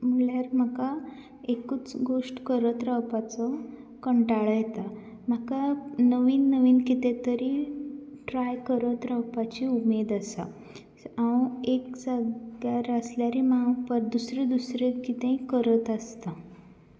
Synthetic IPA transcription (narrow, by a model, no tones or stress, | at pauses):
m̤uɭjaɾm̤aka | ekut͡sɡoʂʈkəɾət̪ɾawpat͡sɔ | kəɳʈaɭəjɛt̪a | m̤akanəʋiːnːəʋiːnkit̪ẽt̪əɾiːʈɾajkəɾət̪ɾawpat͡ɕiumed̪asa̰ | awekd͡zaɡaɾəsljaɾimapəɾd̪usɾed̪usɾekit̪ẽkəɾət̪əst̪a